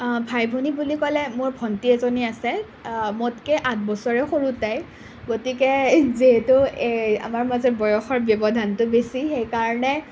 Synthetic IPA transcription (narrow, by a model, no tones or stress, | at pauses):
bʱajbʱunibulikɔlɛmʊɹbʱɔntiɛzoniasɛ | motkɛʔat̚bɔsɔɹɛxoɹutaj | ɡotikɛziɦɛtʊea̰maɹmazɔbɔjɔxɔɹbjɔbɔdʱantʊbesixejkaɹɔnɛ